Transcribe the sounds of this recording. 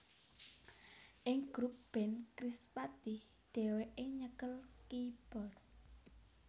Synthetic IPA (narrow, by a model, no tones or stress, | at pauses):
ʔɪŋɡ̥ɾup̚b̥ɛnkɾispad̪ih | d̪̥ɛ̤weʔeɲəkəlkib̥ɔr